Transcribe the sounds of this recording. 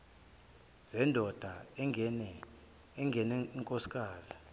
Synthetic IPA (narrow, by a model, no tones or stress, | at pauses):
z̥ɛndʱɔd̥ʱanɛ | ɛŋɡʱɛnɛiŋkʼosi̥kʼaːzi